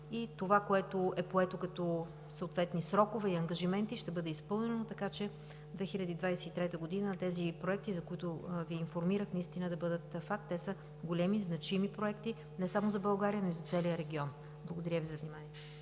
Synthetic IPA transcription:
it̪ovakoɛt̪oɛpoɛt̪okɐt̪ɔ | səot̪vɛt̪nisɾɔkovɛiɐŋɡɐʒimɛnt̪iʃt̪ɛbɤd̪ɛispɤlˠnɛnot̪ɐkat͡ʃɛ | d̪vɛxilʲɐd̪iːd̪vajsɛit̪ɾɛt̪əɡod̪inət̪ɛzipɾoɛk̚t̪izɐkoit̪ʊviːnfoɾmiɾəxnɐist̪inəd̪ɐbɤd̪ət̪fakt̪ːɛsə | ɡolʲɛmiznɐt͡ʃimipɾoɛkt̪i | nɛsamozɐbɐlˠɡaɾiənoizɐt̪sɛlijəɾɛɡʲiɔn | blˠɐɡod̪ɐɾʲəvizɐvnimanʲiɛ

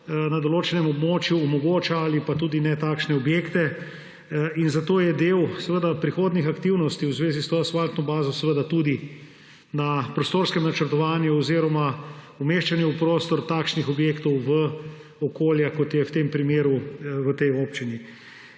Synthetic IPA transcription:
nad̪oloːt͡ʃɛnɛmɔbmoːt͡ʃjuɔmɔɡoːt͡ʃaalipat̪uːd̪inɛt̪aːkʃnɛɔbjeːkt̪ɛ | inzat̪oːjɛd̪eːwsɛʋəd̪apɾixoːd̪nixakt̪iwnɔst̪iwzʋeːzist̪oːsʋalt̪nɔbaːzɔsɛʋəd̪at̪ud̪i | napɾost̪oːɾskɛmnat͡ʃəɾt̪ɔʋaːnjuoziɾɔma | umeːʃt͡ʃanjɛupɾoːst̪ɔɾt̪aːkʃnixɔbjeːkt̪ɔwʋə | okoːljakɔt̪jɛwt̪empɾimeːɾuʋət̪ɛjoːpt͡ʃini

